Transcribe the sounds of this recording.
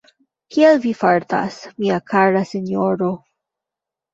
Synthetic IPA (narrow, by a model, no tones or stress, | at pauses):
kjelvifaɾt̪a̰smiakʰaɾaseɲoɾo